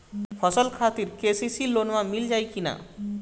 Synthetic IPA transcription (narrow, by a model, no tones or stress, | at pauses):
pʰɔsəlkʰat̪iɾkesisilonmãmild͡ʒajkina̰